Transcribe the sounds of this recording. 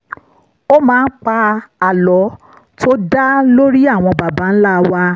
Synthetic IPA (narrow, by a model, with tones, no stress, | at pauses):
o˦mãː˧˦˧n̩˦k͡pa˧a˨lɔ˨˦ | tʰo˦da˦lo˦ɾi˦a˦˨w̃ɔ̃˧ba˨ba˨˦n̩˦la˦˧wa˧